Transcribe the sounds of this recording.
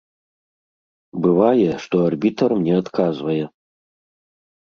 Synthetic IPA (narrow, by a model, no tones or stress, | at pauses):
bɨvajɛʂt̪oɐrbʲitʰɐrmnʲeɐt̪kʰazvɐjɛ